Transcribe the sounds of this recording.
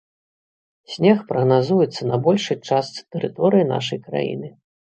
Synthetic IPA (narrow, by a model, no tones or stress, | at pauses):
sʲnʲɛxpɾɐɣnazujɛt̪sːɐnɐbɔlʲʂɨjt͡ʂast̪sɨ̥t̪ɛɾɨt̪ɔɾɨjina̰ʂɐjkɾa̰jḭnɨ